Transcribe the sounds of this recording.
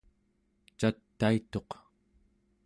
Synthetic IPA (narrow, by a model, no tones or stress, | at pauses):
t͡ʃat̪ːait̪o̞q